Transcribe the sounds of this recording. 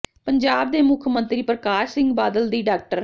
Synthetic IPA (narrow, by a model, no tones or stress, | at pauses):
pəɲd͡ʒaːb̚d̪eːmʊkʰmənt̪ɾiːpɾəkaːʃsɪ̃ŋɡbaːd̪əld̪iːɖaːk̚ʈəɾ